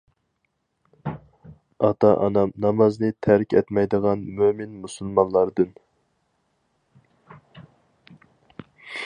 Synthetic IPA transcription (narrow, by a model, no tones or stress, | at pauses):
ɑt̪ɑʔnɑmnɑmɑznɨt̪ʰæɾkʲɛt̪mɛjd̪əʁɑnmømɪnmusulˠmɑnlˠɑɾd̪ɨn